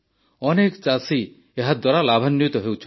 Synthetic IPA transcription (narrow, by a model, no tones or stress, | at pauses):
ɔnekt͡ʃasi | eɦad̪waɾalabʱanːjut̪ɔɦewt͡ʃʰ